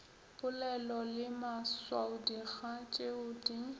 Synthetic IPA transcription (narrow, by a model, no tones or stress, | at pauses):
pʼʊlɛlɔlɪmaswaʊdiɣat͡ʃʼeʊdi